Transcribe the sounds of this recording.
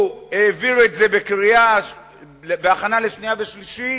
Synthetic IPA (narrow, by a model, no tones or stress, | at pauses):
eːviʁuetze̞bekʁia | lbeaχanaleʃniaveʃliʃi